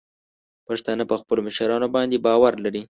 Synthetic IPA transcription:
paʂt̪ɑnapəxpəloməʃaɾɑnobɑnd̪ebɑwaɾlaɾi

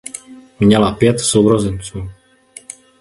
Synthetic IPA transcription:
mɲɛlapjɛt̪sowɾozɛnt͡suː

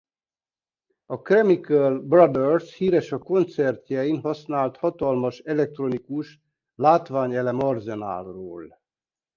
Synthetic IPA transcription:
ɒkrɛmikɛlbrɒd̪ɛrshiːɾɛʃɒko̞nt̪sɛrt̪jɛinɦɒsnaːlt̪hɒt̪ɒlmɒʃɛlɛk̚t̪ro̞nikuʃ | laːt̪ʋaːɲɛlɛmɒrzɛna̰ːlroːl

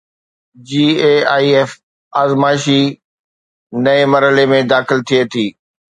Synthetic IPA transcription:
d͡ʑiːeːaːiɛːf | aːzmaːɪʃi | nɐemɐɾɦəlemẽd̪aːxɪlt̪ʰiet̪ʰiː

